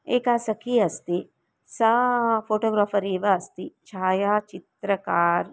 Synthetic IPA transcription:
eːkaːsɐkiːɐst̪i | sɐfʰoːʈoːɡɾaːfɐɾiːʋɐɐst̪it͡ʃʰaːjaːt͡ʃit̪ɾɐkaːɾ

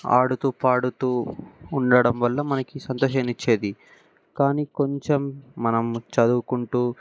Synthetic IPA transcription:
a̰ːɽut̪uːpaːɽut̪uːɳɖɐɽɐmʋɐlːɐmɐnɐkisɐnt̪ɔːʃɐnit͡ʃːe̞ːd̪i | kaːniko̞ɲt͡ʃemːɐnɐmt͡ʃɐd̪ukuɳʈuː

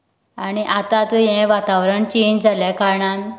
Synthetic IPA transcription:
aniʔat̪at̪ujɛ̃ʋat̪aʋɾəɳt͡ɕind͡zʱaljakaɾɳan

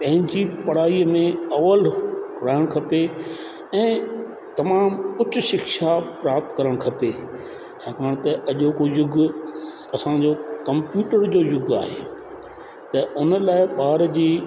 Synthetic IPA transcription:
pɐ̃ɦɪ̃ɲd͡ʑipɐɽ̤aːimẽɐʋəlʊɾaːɪɽ̃kʰɐpe | ɛ̃ː | t̪ɐmaːmʊt͡ɕʊ̆ʃɪkʃapɾaːp̚t̪kɐɾəɽ̃kʰɐpe | t͡ɕʰaːkaːɽ̃t̪ɐɐʄokojʊɡ | ɐsãd͡ʑokɐ̃mpjuːʈəɾd͡ʑoːjʊɡa̰ːɦḛː | t̪ɐʔʊnəlaːɪɓaːɾd͡ʑiː

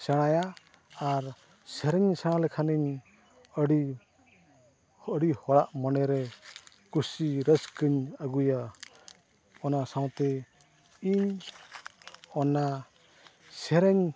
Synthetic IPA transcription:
sɛɽ̃ajaː | ɾ | sɛɾɛɲsaɽ̃alɛkʰaniɲ | əɽi | hːɽihɔɽaʔmɔnɛɾɛ | kusiɾəskɯɲaɡuja | ɔnasaw̃t̪ɛ | iɲ | ɔna | sɛɾɛɲ

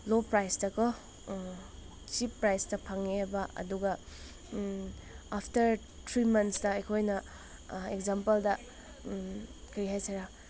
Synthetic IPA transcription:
lopɾajstɐkʰɔ | t͡ʃipːɾajstɐpʰɐŋebɐʔɐ̰duɡɐ | apʰtɐɾ | tʰɾimɐnsdɐɐkʰojnɐ | ekzampɐldɐ | kʰɐɾiɦajsɐɾa

